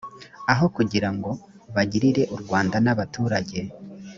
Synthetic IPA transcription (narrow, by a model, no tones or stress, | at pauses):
aɦo̞kuɟiɾaŋɡo̞ | βaɟiɾiɾe̞ʔuɾɡwaːndanaβatuːɾaɟe̞